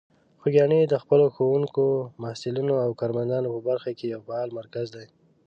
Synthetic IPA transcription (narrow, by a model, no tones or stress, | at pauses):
xoɡʲjɑned̪əxpəloxowuŋkomahsɪlinoawkɑɾmand̪ɑnopəbaɾxakejawfahɑlmaɾkazd̪aj